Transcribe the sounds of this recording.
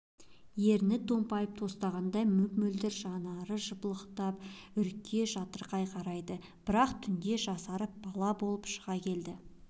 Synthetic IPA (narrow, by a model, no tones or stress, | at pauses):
je̞ɾnɪt̪ʰːo̞mpɑjəp̚t̪ʰo̞st̪ɑʁɑnd̪ɑjmʏkmɵld̪ɪɾʒɑnɑɾəʒəbəlˠəqt̪ɑp | ʏɾkʲʰːe̞ʒɑt̪əɾqɑjqʰɑɾɑjd̪ə | b̥ɪɾɑqt̪ʰʏnd̪e̞ʒɑsɑɾəp̚bɑlˠɑbo̞lˠəpʃəʁɑkʲʰe̞ld̪ɪ